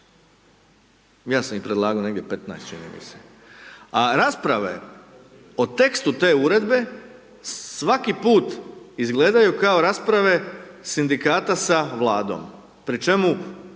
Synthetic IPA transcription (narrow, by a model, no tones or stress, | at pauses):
jaːsamipɾed̪lˠaːɡaoneɡd̪ʲjepe̞t̪najst̪t͡ʃinḭmḭse̥ | aɾaspɾaʋe̞̰ | ot̪e̞kst̪ut̪e̞ːuɾe̞d̪be̞ | sʋakipuːt̪izɡle̞ːd̪ajukao̞ɾaspɾaʋe̞sind̪ikaːt̪asaʋlaːd̪o̞̰m | pɾit͡ʃe̞mu